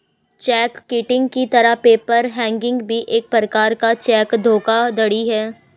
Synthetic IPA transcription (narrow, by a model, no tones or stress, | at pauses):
t͡ʃɛːkːiːʈɪ̃ŋɡkit̪ɐɾapeːpəɾɦɛ̃ːŋɡɪ̃ŋɡbʱiʔeːk̚pɾəkaːɾkat͡ʃɛːkd̪ʱoːkad̪ɐɽiɦɛː